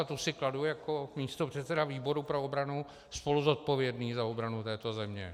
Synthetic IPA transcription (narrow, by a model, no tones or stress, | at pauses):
t̪usɪkladujakomiːst̪opr̝̥ɛt̪sɛdaviːbo̞ɾupɾo̞obɾanu | spo̞luzo̞t̪̚po̞vjɛdniːzaobɾanut̪ɛːt̪o̞zɛmɲɛ̰